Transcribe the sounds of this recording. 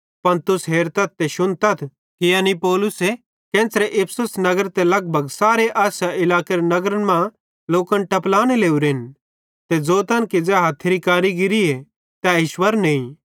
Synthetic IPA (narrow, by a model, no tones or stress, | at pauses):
pɐnt̪ʊsɦeːɾt̪ɐt̪̚t̪eʃʊnt̪ɐt̪ʰ | kɪjanipɔːlʊse | kɛ̃ːnsɾeʔɪpʰsʊsnɐɡəɾt̪elɐɡ̚bʱɐɡsaːɾeʔaːʃaʔɪlaːkeɾenɐɡɾənmã | loːkɐnʈɐplaːñeleːuɾeːn | t̪ed͡zoːt̪ɐnkid͡zɛːɦat̪ʰːeɾikaːɾiɡɪɾie | t̪ɛɪʃwɐɾnĩĩ